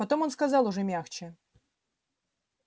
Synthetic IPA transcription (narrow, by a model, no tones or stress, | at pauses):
ɐt̪o̞mo̞nskɐzɑlˠʊʐɛmʲaxt͡ɕɪ